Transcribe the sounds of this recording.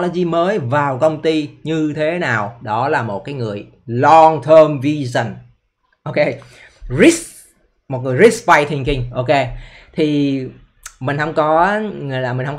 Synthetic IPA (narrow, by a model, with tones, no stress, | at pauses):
lo˧˩zi˧məː˨˦jvaː˨˩wkə˧wŋ͡mt̪i˧ɲɨ˧t̪ʰe˨˦naː˨˩wɗɔ˨˦laː˨˩mo˨˩t̚kaː˨˦jŋɨ˨˩əj | lɔ˧ŋt̪ʰəː˧mvi˧zə˨˩n | ʔo˧ke˧ | zi˦˥s | mo˨˩t̚ŋɨ˨˩əjzi˦˥spa˧jt̪ʰï˨˩ŋ̟kï˧ŋ̟ʔo˧ke˧t̪ʰi˨˩ | mï˨˩ŋ̟hə˧wŋ͡mkɔ˨˦ŋɨ˨˩˨laː˨˩mï˨˩ŋ̟hə˧ŋ͡m